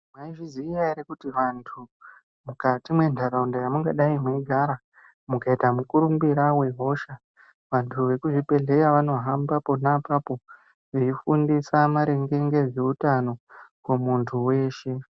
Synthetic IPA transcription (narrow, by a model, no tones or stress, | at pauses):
maiʐiziijaiɾekutiʋantʰu | mukatimwe̞ndʱaraundajamuŋɡaɗaimweiɡʱaɾa | mukaitamukuɾumbiɾawe̞ɦo̞ʃa | ʋantʰuʋe̞kuʐipe̞ɮe̞kaʋano̞ɦambapo̞napapo̞ | ʋeifundisamaɾe̞ŋɡe̞ŋɡe̞ʐeutano̞kwemuntʰuwe̞ːʃe̞